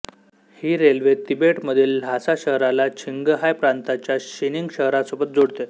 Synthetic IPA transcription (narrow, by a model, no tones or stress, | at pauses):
hiːɾelʋet̪ibeʈməd̪ʱiːllasaɕəɦɾalat͡ɕʰiŋɡɦajpɾant̪at͡ɕjaɕiniŋɡɕəɦɾasopət̪̚d͡zoɽt̪e